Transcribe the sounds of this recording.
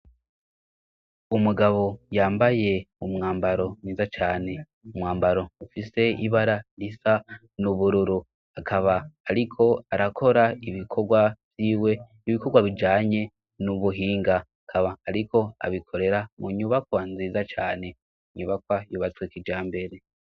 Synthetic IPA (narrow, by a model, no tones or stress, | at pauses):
umuɡaβo̞jaːmbaje̞umŋaːmbaɾo̞niːzat͡ʃaːne̞ | umŋaːmbaɾo̞ufise̞iβaɾaɾisa | nuβuɾuɾu | akʰaβaːɾikʰo̞aɾakʰo̞ɾaiβikʰo̞ɡwavjiːwe̞ | iβiko̞ɡwaβid͡ʒaːɲe̞ | nuβuɦiːŋɡaakʰaβaːɾikʰo̞a̰βikʰo̞ɾe̞ɾamuɲuβakwaanziːzat͡ʃaːne̞ | ɲuβakwajuβat͡swekid͡ʒaːmbe̞ɾe̞